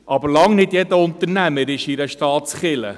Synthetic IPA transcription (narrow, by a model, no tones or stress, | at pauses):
ʔɑbəɾlɑŋnɪdjɛdəʊnt̪əɾnæməɾɪʃɪɾəʃtɑːt̪sχɪlə̰